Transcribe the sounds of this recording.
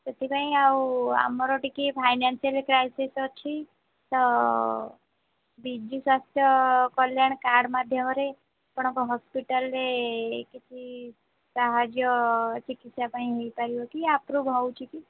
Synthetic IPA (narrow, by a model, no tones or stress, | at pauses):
t̪et̪ʰipãɦĩawa̰mɔɾɔʈikipʰajnansijəlekɾajsisɔt͡ʃʰi | t̪ɔ | bid͡ʒiswast̪ʰjɔkɔljaɳ̃kaɾɽmad̪ʱjɔmɔɾe | pɔɽ̃ɔkoɦɔspiʈəlɾekit͡ʃʰi | saɦad͡ʒjɔt͡ʃikit̪sapaĩɦejpaɾiok̪iapɾubʱɔwt͡ʃʰiki